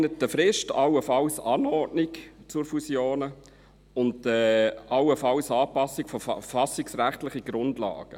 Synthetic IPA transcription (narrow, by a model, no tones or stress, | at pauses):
nətːəfɾɪʃtɑ̰wəfɑlsɑːnɔrdnɪkt͡sʊɾfusjoːnə | ʊndɛɑwəfɑlsɑːpɑsɪkfɔfɑsɪksɾæχtlɪχiɡ̥ɾʊndlɑ̰ːɡ̥ə